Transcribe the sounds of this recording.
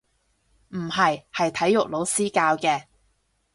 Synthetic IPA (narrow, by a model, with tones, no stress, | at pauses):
m̩˨˩hɐ˨jhɐ˨jt̪ʰɐ˨˥jʊ˨k̚lo˨˧˥wsiː˥kaː˧wkɛː˧